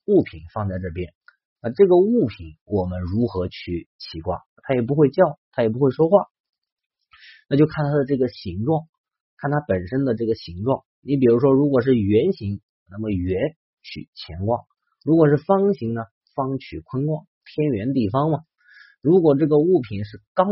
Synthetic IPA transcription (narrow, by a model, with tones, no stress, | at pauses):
u˥˩pʰi˨˩nfɑ˥˧ŋt͡sa˥˧ɪʈ͡ʂɤ˥˩pjɛ˥n | na˥˧ʈ͡ʂɤ˥˩ɡə˩u˥˩pʰi˨˩˦nwʔɔ˨˩mə˦nɻu˧˥xɤ˧˥t͡ɕʰy˥˩t͡ɕʰi˧˥kwa̰˥˩t̪ʰa˥jɛ˨˩p̬u˧˥xwe˥˧ɪt͡ɕjɑ˥˩ʊt̪ʰa˥jɛ˨˩pu˧˥xwe˥˩ɪʂwɔ˥xwa˥˩ | na˥˧t͡ɕjo˥˧ʊkʰa˥˩nt̪ʰa˥d̪ə˧ʈ͡ʂɤ˥˩ɡə˩ɕi˧˥ŋʈ͡ʂwɑ˥˩ŋ | kʰa˥˩nt̪ʰa˥pə˨˩nʂə˥nd̪ə˨ʈ͡ʂɤ˥˩ɡə˩ɕi˧˥ŋʈ͡ʂwɑ˥˩ŋ | ni˧˥p̬i˨˩ɻu˧˥ʂ̬wɔ˥ɻu˧˥kwɔ˨˩ʂ̬ɻ̩˥˩ɥɛ˧˥nɕi˧˥ŋ | na˥˩mə˩ɥɛ˧˥n | t͡ɕʰy̰˨˩t͡ɕʰjɛ˧˥nkwɑ̰˥˩ŋ | ɻu˧˥kwɔ˨˩ʂ̬ɻ̩˥˩fɑ˥ŋɕi˧˥ŋnə˧ | fɑ˥ŋt͡ɕʰy˨˩kʰwə˥nkwɑ˥˩ŋt̪ʰjɛ˥nɥɛ˧˥nt̪̬i˥˩fɑ˥ŋmɐ˨ | ɻu˧˥kwɔ˨˩ʈ͡ʂɤ˥˩ɡə˩u˥˩pʰi˨˩nʂ̬ɻ̩˥˩kɑ˥